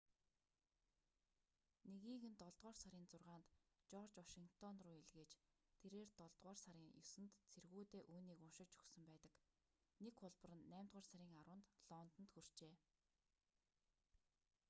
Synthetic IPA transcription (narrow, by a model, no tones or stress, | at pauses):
neɣiːxɘ̆nt̪ɔɮt̪ʁɔːrsaɾʲiːnt͡sʊrʁaːnt̪t͡ɕɔrt͡ɕwaʃiŋkt̪ʰɔnrʊːiɮɣeːt͡ɕt̪ʰeɾeːrt̪ɔɮt̪ʁɔːrsaɾʲiːŋjʊsɘ̆nt̪t͡sʰerɣuːt̪eːʔuːniːkʊnʃɪ̆kt͡ɕɵ̥xsə̆mpæːt̪ə̆k | nekχʊɮpə̆rə̆nːæːmʲt̪ʁʊːrsaɾʲiːŋaɾʊːnt̪ɮɔːnt̪ə̆nt̪xur̥t͡ɕeː